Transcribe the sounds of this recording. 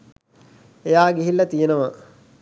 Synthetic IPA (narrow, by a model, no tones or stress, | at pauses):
ejaːɡiɦilːɐt̪ijenəʋɐ